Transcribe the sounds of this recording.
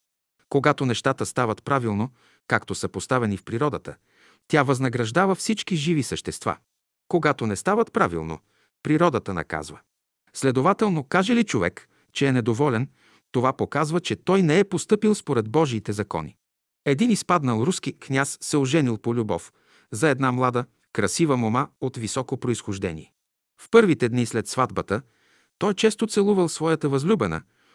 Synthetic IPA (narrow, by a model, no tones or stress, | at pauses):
koɡat̪onɛʃt̪at̪əst̪avət̪pɾavilˠno | kakt̪osəpost̪avɛnifpɾiɾɔd̪ət̪ə̰ | t̪ʲjavɐznɐɡɾɐʒd̪avəfsit͡ʃkiʒivisəʃt̪ɛst̪va̰ | koɡat̪onɛst̪avɐt̪pɾavḭlˠno̰ | pɾiɾɔd̪ət̪ənɐ̰ka̰zvə̰ | slɛd̪ovat̪ɛlˠnokaʒɛlit͡ʃovɛ̰k | t͡ʃɛːnɛd̪ovɔlʲɛn | t̪ovapokazvət͡ʃɛt̪ɔjnɛɛpost̪ɤpilˠspoɾɛd̪̚bɔʒiːt̪ɛzɐkɔ̰nḭ | ɛd̪inispad̪nəlˠɾuskiknʲasːɛoʒɛnilˠpolʲubɔ̰f | zɐɛd̪namlˠad̪ə | kɾɐsivəmomaot̪visɔkopɾoisxoʒd̪ɛ̰nʲḭɛ | fpɤɾvit̪ɛd̪nislɛt̪svad̪bət̪ə | t̪ɔjt͡ʃɛst̪ot̪sɛlˠuvəlˠsvɔjət̪əvɐzlʲubɛnə̰